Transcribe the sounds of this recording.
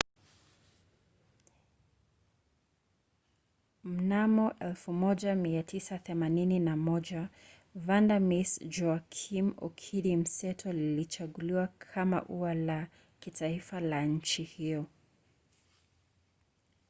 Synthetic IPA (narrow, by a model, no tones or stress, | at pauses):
m̩namɔʔɛlfumɔʄamiatʰisaθɛmanininamɔʄa | vandamisd͡ʒɔakʰimɔ̰kʰiɾim̩sɛtʰɔlilit͡ʃaɠuliwakʰama̰ʔuala | kitʰaifalaɲ̩t͡ʃihiɔ